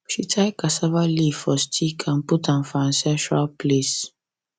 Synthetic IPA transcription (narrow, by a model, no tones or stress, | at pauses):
ʃitʰajkasavalifɔstʰikʰãmputãnfãnsɛ̃ntɾalples